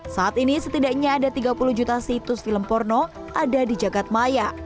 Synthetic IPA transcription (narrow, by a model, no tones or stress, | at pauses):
saat̪inisət̪idakɲaːdat̪iɡapuluhd͡ʒut̪asit̪ʊsfiləmpɔrno | ʔadadid͡ʒaɡat̪̚maja